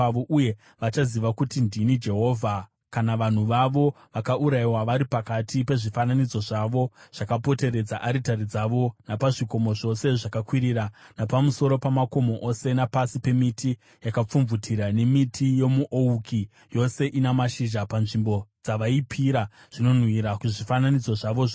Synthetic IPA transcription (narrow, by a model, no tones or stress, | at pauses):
oʔuje̞ | ʋat͡ʃaziʋakutindʱinid͡ʒe̞ɦo̞vʱa | kanaʋan̤uʋaʋo̞ | ʋakaʔuɾaiwaʋaɾipakatʰipe̞ʐifananid͡zo̞ʐaʋo̞ʐ̥akapo̞te̞ɾe̞d͡zaʔaɾitaɾid͡zaʋo̞napaʐiko̞mo̞ʐo̞se̞ʐakakwiɾiːranapamuso̞ɾo̞pamako̞mo̞ʔo̞se̞napasipe̞mitʰi | jakap͡fuɱvutʰiɾane̞mitʰije̞muʔouki | jo̞se̞ʔinamaʃiʒapanʐimbo̞d͡zaʋaipʰiɾa | ʐ̥ino̞nwiɾakuʐifananid͡zo̞ʐaʋo̞ʐ